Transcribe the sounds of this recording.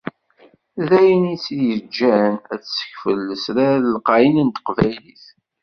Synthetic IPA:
ðæjənit͡sjəd͡ʒːænæt͡ssə̥çfəlːəsɾæɾəlqɑjənənt̪ə̥qvæjliθ

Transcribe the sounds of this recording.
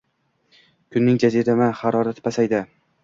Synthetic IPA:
kʰʊnːɪŋd͡ʒaziɾamaχɑɾɒɾat̪ʰɪ̥pasajd̪ɪ

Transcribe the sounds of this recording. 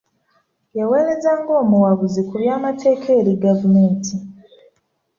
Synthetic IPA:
jawe̞ːɾe̞zaːŋɡo̞ːmuwaβuzikuβjaːmatʰe̞ːkʰe̞ːɾiɡavume̞ːntʰi

